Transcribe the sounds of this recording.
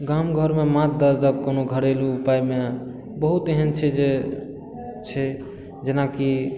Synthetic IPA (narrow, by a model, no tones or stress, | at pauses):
ɡamɡʱəɾmemat̪̚d̪əɾd̪əkkːonoɡʱəɾeluːpajme | bəɦut̪eɦənt͡ʃʰɛd͡ʒe | t͡ʃʰɛ | d͡ʒenaki